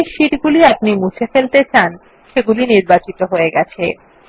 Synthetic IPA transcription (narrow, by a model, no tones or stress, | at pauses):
ʃiʈɡuliap̚nimut͡ɕʰefelt̪et͡ɕan | ʃeɡuliniɾbat͡ɕit̪oɦoeɡɛt͡ɕʰe